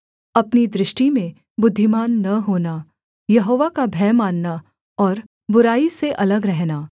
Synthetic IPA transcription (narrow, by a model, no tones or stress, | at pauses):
ɐpnid̪ɾɪʃʈimẽ | bʊd̪ʱːɪmaːnːɐɦoːna | jɐɦoːʋakabʱɛːmaːnːa | ɔːɾ | bʊɾaːiseʔɐləɡɾɛɦnaː